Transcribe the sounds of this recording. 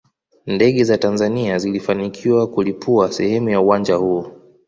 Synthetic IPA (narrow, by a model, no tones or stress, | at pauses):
ndɛɠɛzatanzaniazilifanikʰiwakulipʰuasɛhɛmujauwand͡ʒahuː